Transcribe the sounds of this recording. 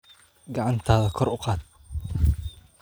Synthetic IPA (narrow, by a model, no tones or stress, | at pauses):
ɡɑʕɑnt̪ʰaːðɐkʰɔrʊqɑːd̪̚